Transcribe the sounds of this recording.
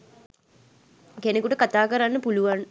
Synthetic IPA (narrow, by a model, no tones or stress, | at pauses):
kenekuʈəkat̪aːkəɾanːəpuluʋan